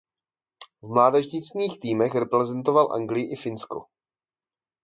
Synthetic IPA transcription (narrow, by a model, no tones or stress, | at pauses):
vmlaːdɛʒɲɪt͡sɲiːxt̪iːmɛxɾɛpɾɛzɛnt̪o̞valʔa̰ŋɡlɪjɪʔɪfɪnsko̰